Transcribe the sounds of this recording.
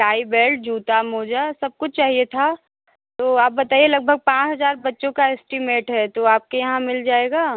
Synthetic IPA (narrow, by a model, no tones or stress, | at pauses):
ʈaːibeːlɖ̚d͡ʒʱuːt̪amoːd͡ʒasɐb̚kʊt͡ʃʰt͡ʃaːɦiet̪ʰa | t̪oːaːp̚bɐt̪aːielɐɡ̚bʱəɡ̚pãːt͡ʃɦɐzaːɾbɐtːʃõkaɛsʈɪmeːʈɦɛt̪oaːp̚kejɐɦãmɪld͡ʒaːeːɡaː